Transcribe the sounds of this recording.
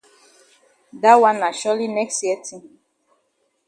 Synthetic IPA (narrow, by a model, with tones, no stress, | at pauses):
da˦wã˦nːa˨ʃɔ˦li˦nɛ˦kstjɛ˦tʰĩ˦m